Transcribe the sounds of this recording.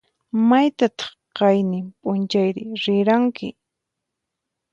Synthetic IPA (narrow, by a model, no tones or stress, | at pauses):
majt̪at̪ɑ̥χqɑjnɪmpʼʊnt͡ʃajɾɪɾɪɾaŋkɪ̰